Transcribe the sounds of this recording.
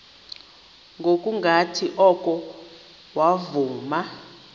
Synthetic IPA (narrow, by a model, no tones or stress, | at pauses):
ŋɡʱokʼuŋɡʱatʰiʔɔkʼɔ | wavuːma